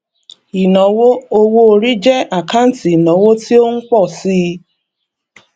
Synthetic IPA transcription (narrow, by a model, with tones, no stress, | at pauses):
i˨nɔ˨wo˦o˦wo˧˨ɾi˦d͡ʒɛ˦ʔa˨ka˦n̩˦ti˨nɔ˨˦wo˦ti˦o˦ŋ̩˦k͡pɔ˦˨si˦˧